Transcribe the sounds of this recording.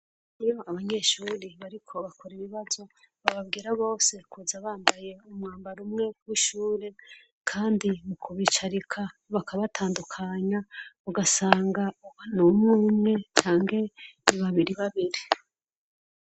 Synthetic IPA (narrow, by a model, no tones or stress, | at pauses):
ijo̞aβaɲe̞ːʃuːɾiβaɾikʰo̞βakoɾiβiβazo̞ | βaβab̚ɡiːɾaβo̞ːse̞kʰuzaβaːmbaje̞umŋaːmbaɾumŋe̞wiʃuːɾe̞ | kʰaːndimukʰuβit͡ʃaɾikʰaβakʰaβatʰaːndukʰaɲauɡasaːŋɡauanumŋuːmŋe̞t͡ʃaːŋɡe̞niβaβiɾiβaβiɾi